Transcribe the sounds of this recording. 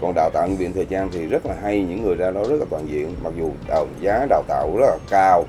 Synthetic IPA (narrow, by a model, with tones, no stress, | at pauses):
kɔ˨˩nɗaː˨˩wt̪a̰ː˧˨nvḭ˧˨nt̪ʰəː˨˩jzaː˧nt̪ʰi˨˩zə˦˥t̚laː˨˩ɦa˧jɲɨ̰˧˥ŋːɨ˨˩əjzaː˧ɗɔ˨˦zə˦˥t̚laː˨˩t̪waː˧˨nzḭ˧˨ənma˨˩k̚zu˨˩ɗa˨˩zaː˨˦ɗaː˨˩wt̪a̰ː˧˨wzə˦˥laː˨˩kaː˧w